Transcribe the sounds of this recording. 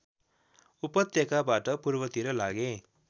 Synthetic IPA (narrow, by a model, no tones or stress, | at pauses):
upʌt̪jʌkabaʈʌpurbʌt̪iɾʌlaɡẽ